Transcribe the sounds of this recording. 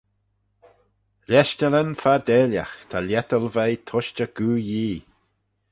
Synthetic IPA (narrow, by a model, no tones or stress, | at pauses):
lʲɛʃt͡ʃələnfaɹd̪eːlja̰xt̪ʰalʲɛt̪əlvɛjt̪ʰɔʃt͡ʃəɡ̥uːjiː